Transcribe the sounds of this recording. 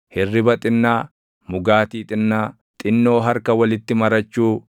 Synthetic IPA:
hɪrːɪbɐt̪ʼɪnːaː | mʊɡaːt̪iːt̪ʼɪnːaː | t̪ʼɪnːo̞ːɦɐɾkɐwɐlɪt̪ːɪmɐɾɐt͡ʃːuː

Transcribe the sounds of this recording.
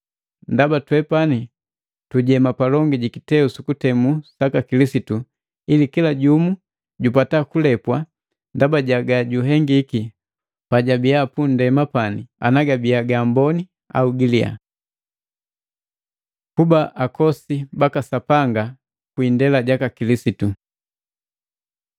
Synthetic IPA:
ndabatwɛpani | tuɟɛmapalɔŋɡiɟikitɛusukutɛmusakakilisitu | ilikilaɟumu | ɟupatakulɛpwa | ndabaɟaɡaɟuɦɛŋɡiki | paɟabijapundɛmapania̰naɡabiaɡambɔni | a̰uɡilia̰ | kubaʔakʰɔsibakasapaŋɡa | kwindɛlaɟakakilisitu

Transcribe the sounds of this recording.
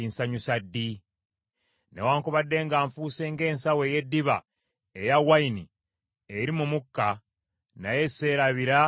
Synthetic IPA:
insaɲusadːi | ne̞̰waːŋkuβadːe̞ːŋɡaːɱfuːse̞ːŋɡe̞ːnsawe̞je̞dːiβa | ejawaini | eɾimumukːa | naje̞se̞ɾaβiɾa

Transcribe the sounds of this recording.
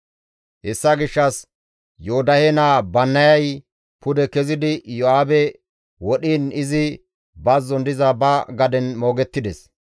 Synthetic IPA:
hɛsːɐɡɪʃːɐs | joʊd̪ɐhɛnaːbɐnːɐjɐj | pʊd̪ɛkɛzɪd̪ɪjɔaːbɛ | wɔɗiːnɪzɪ | bɐzɔnd̪ɪzɐbɐɡɐd̪ɛnmo̞ːɡɛt̪ːɪd̪ɛs

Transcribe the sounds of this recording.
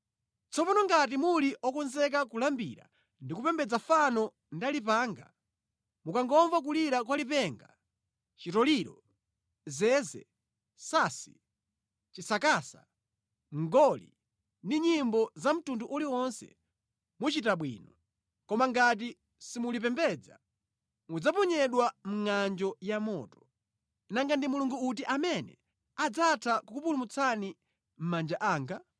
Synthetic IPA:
t͡sɔpɔnɔŋɡat̬imuliʔɔkɔnzɛk̬akulambḭɾa̰ | ndikupɛmbɛd͡zafanɔ | ndalip̬aːŋɡa | mukaŋɡɔɱvak̬uliɾak̬walipɛŋɡa̰ | t͡ʃitɔliɾɔ̰ | zɛzɛ̰ | saːsi̥̰ | t͡ʃisakaːsa | ŋɡɔlḭ | ndiɲimbɔzam̩tunduʔuliwɔnsɛ̰ | mut͡ʃitaɓwḭːnɔ | kɔmaŋɡat̬i | simulip̬ɛmbɛd͡za̰ | mud͡zapɔɲɛɗwam̩ŋand͡ʒɔjamɔːtɔ̥ | naŋɡandimuluŋɡuut̬iʔamɛnɛ̰ | ad͡zatʰakukupulumut͡sʰani | m̩mand͡ʒaʔaːŋɡa

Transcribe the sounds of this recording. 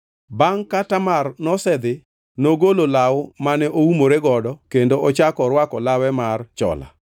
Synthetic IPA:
baŋkatamarnɔsɛd̪ɪ | noɡololawmanɛʔoumoɾeɡɔdɔkendoʔɔt͡ʃakɔɾwakɔlawɛmart͡ʃɔ̰la̰

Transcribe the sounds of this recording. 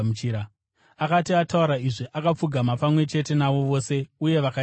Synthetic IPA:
ut͡ʃiɾa | akatiatauɾaiʐiʔakap͡fuɡʱamapamwe̞t͡ʃe̞te̞naʋo̞ʋo̞se̞uje̞ʋaka

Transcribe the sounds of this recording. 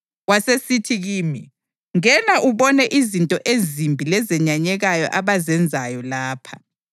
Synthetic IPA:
wasesitʰiɣiːmi | ŋɛnaʔuβɔnɛʔizintʼɔʔezimbʱilɛzɛɲaɲɛɣajɔ̰ʔaβazɛnd͡zʱajɔlaːpʰa

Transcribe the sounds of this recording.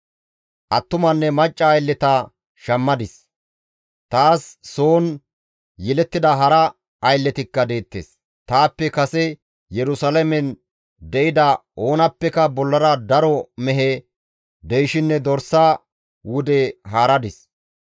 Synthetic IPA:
ʔɐt̪ːʊmɐnːɛmɐt͡ʃʼːɐːjlːɛt̪ɐ | ʃɐmːɐd̪ɪs | t̪aːsːoːn | jɛlɛt̪ːɪd̪ɐɦɐɾɐ | ɐjlːɛt̪ɪkːɐd̪e̞ːt̪ːḛːs | t̪aːpːɛkɐsɛ | jɛɾʊsɐlɐmɛn | d̪ɛʔɪd̪ɐo̞ːnɐpːɛkɐbɔlːɐɾɐd̪ɐɾɔmɛɦɛ | d̪ɛjʃɪnːɛd̪ɔɾsa | wʊd̪ɛɦaːɾɐd̪ɪs

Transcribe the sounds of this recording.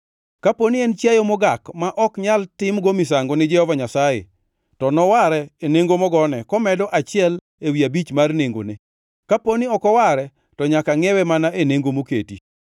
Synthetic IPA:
kaponiɛnt͡ʃjajomoɡakmaʔɔkɲaltɪmɡomɪsaŋɡonɪd͡ʒɛhɔvaɲasajḛ | tɔnɔwaɾɛeneŋɡomɔɡɔnɛkɔmɛdɔʔat͡ʃɪɛl | ewiabit͡ʃmarneŋɡo̰nḛ | kaponiɔkɔwaɾɛ | tɔɲakaŋɛwɛmanaʔeneŋɡomoketi

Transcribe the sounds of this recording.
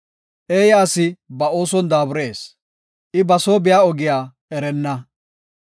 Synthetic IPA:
ʔeːjaːsɪbɐo̞ːsɔnd̪aːbʊɾe̞ːs | ʔɪbɐsoːbɪjaːɔɡɪjaː | ɛɾɛnːɐ

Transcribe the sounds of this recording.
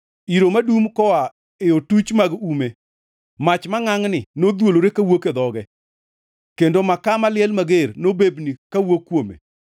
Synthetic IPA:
iɾomadumkɔa | eotut͡ʃmaɡume | mat͡ʃmaŋaŋnɪnod̪woloɾekawoked̪ɔɡɛ | kendomakamalɪɛlmaɡeɾnobebnikawokːwomḛ

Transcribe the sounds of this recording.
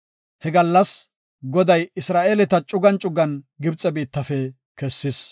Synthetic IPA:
hɛɡɐlːɐs | ɡɔd̪ɐjɪsɾaːʔelɛt̪ɐt͡ʃʼʊɡɐnt͡ʃʼʊɡɐn | ɡɪbt͡sʼːɛbiːt̪ːɐfɛ | kɛsːɪs

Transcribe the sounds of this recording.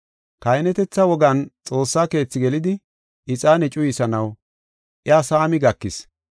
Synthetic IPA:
kɐjnɛt̪ɛt͡sːɐwɔɡɐnt͡sʼo̞ːsːaːke̞ːt͡sːɪɡɛlɪd̪ɪ | ʔɪt͡sʼaːnɛt͡ʃʼʊjɪsɐnɐw | ʔɪaːsaːmɪɡɐkːɪs

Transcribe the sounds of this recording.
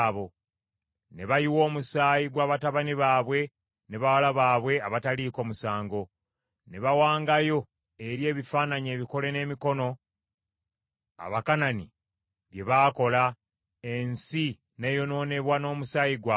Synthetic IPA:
βo̞ | ne̞βajiwo̞ːmusaːjiɡwaːβataβaniβaːβwe̞ | ne̞βawalaβaːβwe̞aβataliːko̞ːmusaːŋɡo | ne̞βawaːŋɡajo̞ | e̞ɾje̞ːβifaːnaɲe̞ːβiko̞le̞ne̞ːmiko̞no̞ | a̰βakanani | βje̞βaːko̞la | e̞nsi | ne̞jo̞no̞ːne̞βwano̞ːmusaːjiɡwa

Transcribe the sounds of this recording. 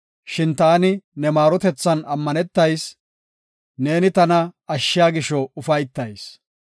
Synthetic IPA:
ʃɪnt̪aːnɪnɛmaːɾɔt̪ɛt͡sːɐnɐmːɐnɛt̪ːɐjs | ne̞ːnɪt̪ɐnɐɐʃːɪjaːɡɪʃɔʊfɐjt̪ːɐjs

